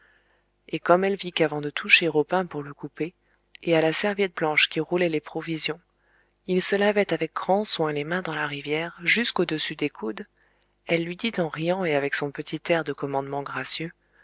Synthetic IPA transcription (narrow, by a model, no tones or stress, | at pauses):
ekɔmɛlvikavɑ̃d̪ət̪ʰuʃeʁopɛ̃puʁləkupeː | alasɛʁvjɛt̪̚blɑ̃ʃkʲiʁulɛlepχɔvizjɔ̃ | ilsəlavɛt̪avɛk̚ɡʁɑ̃swɛ̃lemɛ̃d̪ɑ̃laʁivjɛʁʒyskod̪əsyd̪ekʰud̪ | ɛlːɥid̪it̪ɑ̃ʁijɑ̃eavɛksɔ̃pət̪ʰit̪ɛʁd̪əkɔmɑ̃d̪mɑ̃ɡʁasjø